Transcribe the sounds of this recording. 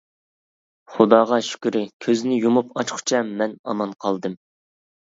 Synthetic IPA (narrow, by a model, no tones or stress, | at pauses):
χʊd̪ɑːʁɑʃy̥kʲyɾɪkʲʰøzɪnɪjumupɑt͡ʃχʊ̥t͡ʃʰɛmɛnɑ̰mɑnqʰɑlˠd̪ɨm